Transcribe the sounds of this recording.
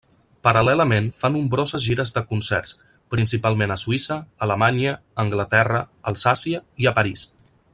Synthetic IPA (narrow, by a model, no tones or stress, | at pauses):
pəɾəlɛləmenfanumbɾɔzəzʒiɾəzðəkunsɛ̰ɾs | pɾinsipalˠmenəsuisəːləmaɲəː | ŋɡlət̪ɛrəːlˠsasiəiəpəɾis